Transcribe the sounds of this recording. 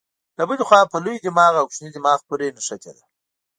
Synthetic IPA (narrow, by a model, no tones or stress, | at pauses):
labəlixwɑpəlujd̪imɑɣawkʃnid̪imɑxpuɾenaʂat̪ḛd̪a